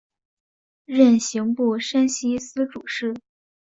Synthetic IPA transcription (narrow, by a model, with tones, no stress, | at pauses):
ɻə˥˩nɕi˧˥ŋpu˥˩ʂə˥nɕi˥sɹ̩˥ʈ͡ʂu˨˩ʂɻ̩˥˩